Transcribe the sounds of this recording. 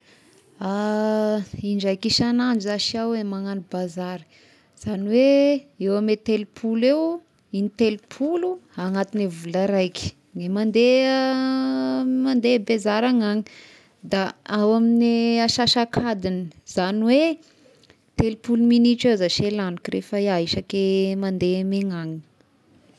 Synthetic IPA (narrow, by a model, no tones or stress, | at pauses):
a | iɳd͡ʒajkiʃanand͡ʒzaʃiawemaŋanibazaɾi̥ | z̥aniweewamet̪elupʰulew | init̪elupʰuluaŋat̪inevulaɾajkʲi̥ | nemand̪e | mand̪ebezaɾaŋaŋi | d̪aawaminiaʃaʃakʰad̪iniz̥aniwe | t̪elipuluminiʈ͡ʂezaʃelanikiɾʔefəiaiʃakemand̪emeŋaŋi̥